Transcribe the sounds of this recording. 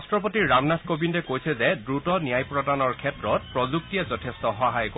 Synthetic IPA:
stɹɔpotiɹamnaskobindɛkojsʰɛzɛdɹutɔnijajpɹɔdanɔɹkʰɛtɹɔt̚pɹɔzuk̚tijazɔtʰɛstɔɦɔɦajk

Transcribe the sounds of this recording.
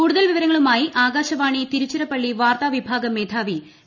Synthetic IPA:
kuːɽuðɐlʋiʋɐɾɐŋːɐɭumaːjiʔaːɡaːɕɐʋaːɳit̪iɾut͡ɕːɐɾɐpːɐɭːiʋaːrt̪aːʋibʱaːɡɐmeːd̪ʱʰaːʋi

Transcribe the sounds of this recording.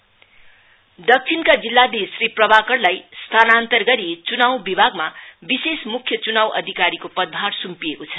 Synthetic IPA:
d̪ʌk̚t͡sʰinkad͡zilːad̪esriprʌbʱakʌrlajst̪ʰanant̪ʌrɡʌɾit͡sunawbibʱaɡmabisesmukʰjʌt͡sunawʔʌ̰d̪ʱikaɾikopʌd̪̚bʱaɾsumpijekot͡sʰʌ̥

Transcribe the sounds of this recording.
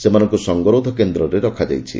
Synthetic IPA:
semanɔ̃ŋkusɔŋɡɔɾod̪ʱɔkend̪ɾɔɾeɾɔkʰad͡ʒa̰jt͡ʃʰḭ

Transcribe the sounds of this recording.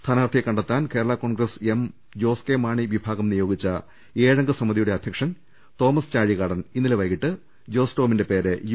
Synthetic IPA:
st̪ʰaːnaʋɐrt̪ʰijekːɐɳɖɐt̪ːaːnke̞ːɾɐɭako̞ːɳɡɾɐsem | d͡ʑo̞ːskeːmaːɳiʋibʱaːɡɐmnijo̞ːɡit͡ɕːɐ | eːɻɐŋɡɨsɐmːɐd̪ijuɽe̞ɐd̪ʱjɐkʂɐn | t̪o̞ːmɐst͡ɕaːɻiɣaːɽɐninːileʋɐjɣiʈːɨ | d͡ʑo̞ːsto̞ːminde̞pe̞ːɾe

